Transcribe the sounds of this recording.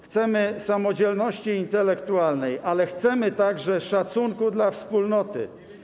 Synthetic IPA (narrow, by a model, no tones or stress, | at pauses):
xt̪sɛmɘsamɔd͡ʑɛlnɔɕt͡ɕiːnt̪ɛlɛkt̪ualnɛjʔalɛxt̪sɛmɘt̪aɡʐɛʂat̪suŋkud̪lafspulnɔt̪ɘ̰